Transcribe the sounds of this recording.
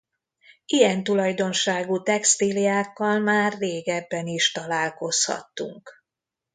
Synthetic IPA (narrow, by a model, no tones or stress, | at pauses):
ijɛnt̪ulɒjd̪o̞nʃaːɡut̪ɛkst̪ilijaːkːɒlmaːrːeːɡɛbːɛniʃt̪ɒlaːlko̞shɒ̰t̪ːṵŋk